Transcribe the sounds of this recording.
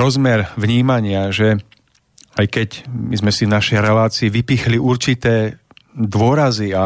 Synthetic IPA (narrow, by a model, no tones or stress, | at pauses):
ɾɔzmɛɾʋɲiːmaɲɪaʒɛ | ajkɛcmizmɛsivnaʃɛjɾɛlaːt͡siːʋipixliʔuɾt͡ʃit̪ɛː | d̪ʊɔɾazia